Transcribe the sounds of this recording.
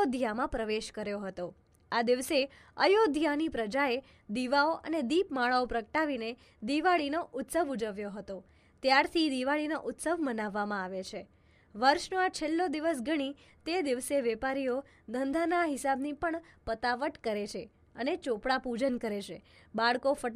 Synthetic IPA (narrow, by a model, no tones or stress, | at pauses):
od̪ʱjamãpɾəʋeʃkəɾjoɦət̪o | ad̪iʋse | ə̰jod̪ʱjanipɾəd͡ʒae | d̪iʋaoʔə̰ned̪ipmaɭaopɾəkəʈaʋine | d̪iʋaɭinoʔʊt̪səʋud͡ʒəʋjoɦət̪o | t̪jaɾt̪ʰid̪iʋaɭinoʔʊt̪səʋmənaʋːamãaʋet͡ʃʰe | ʋəɾʃnoat͡ʃʰelːod̪iʋəsɡəɽ̃i | t̪ed̪iʋseʋɛpaɾijo | d̪ʱənd̪ʱanaɦɪsabnipəɳpət̪aʋəʈkəɾet͡ʃʰe | ənet͡ʃopɽapud͡ʒənkəɾet͡ʃʰebaɭkofəʈ